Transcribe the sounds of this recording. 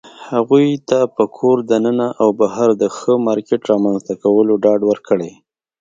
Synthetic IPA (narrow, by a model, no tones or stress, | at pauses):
haɣujt̪apəkʰoɾd̪anənaʔawbaɦaɾd̪əxəmɑɾkeʈɾɑmanzt̪akawəloɖɑɖwəɾkəɽe